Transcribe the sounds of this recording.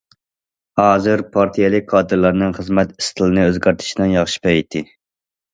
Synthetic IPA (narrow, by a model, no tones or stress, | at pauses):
hɑːzɨɾpʰɑɾt̪ʰijɛlˠɪk̚ʲqʰɑːd̪ɨɾlˠɑɾnɨŋχəzmɛt̪i̥st̪ʰɨlˠɨnɨøzɡʲæɾt̪ʰɪ̥ʃinɨŋjɑχʃi̥pɛjt̪ʰːɪ